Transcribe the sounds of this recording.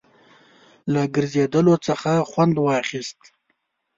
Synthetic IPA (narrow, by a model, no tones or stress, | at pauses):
laɡəɾzed̪əlot͡səxaxwand̪wɑχist̪